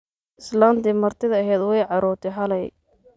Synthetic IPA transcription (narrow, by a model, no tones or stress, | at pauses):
ʔɪslant̪ɪmɐrt̪ʰɪðɐːɦɛd̪wɛjʕɑɾɔːɾt̪ʰɛɦɐlɛj